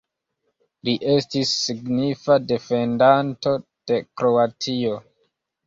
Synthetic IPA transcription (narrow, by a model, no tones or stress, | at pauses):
liʔe̞stisːiɡnifade̞fe̞ndanto̞d̥e̞kɾo̞atʰio̞